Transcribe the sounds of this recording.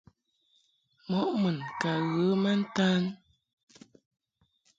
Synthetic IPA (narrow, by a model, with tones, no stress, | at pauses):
mɔ˨˦ʔmɨ˨nka˨ɣə˨˦ma˦n̩˦ta˦n